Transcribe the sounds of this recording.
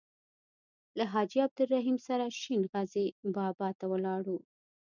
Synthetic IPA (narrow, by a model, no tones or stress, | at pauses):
laɦɑd͡ʒiab̚d̪ʊlɾaɦimsaɾaʃinɣazebɑbɑt̪awəlɑɽu